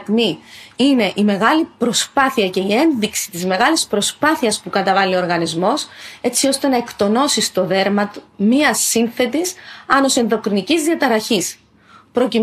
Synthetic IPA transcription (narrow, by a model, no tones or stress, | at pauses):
t̪miine̞ʔime̞ɣɐlipɾo̞spɐθiɐce̞ie̞nðiksi̥t̪izme̞ɣɐlispɾo̞spɐθiɐspukɐt̪ɐvɐlio̞ːɾɣɐnizmo̞se̞t͡sio̞st̪e̞nɐe̞kt̪o̞no̞sist̪o̞ðe̞ɾmɐt̪u̥miɐsːinθe̞t̪isɐno̞se̞nðo̞kɾinicizðiɐt̪ɐɾɐçis | pɾo̞ci